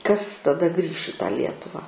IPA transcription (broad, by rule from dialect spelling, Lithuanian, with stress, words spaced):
kɐs tɐˈdɐ ɡrʲiːʃ ɪ tɑː ˈlʲiɛtʊʋɑː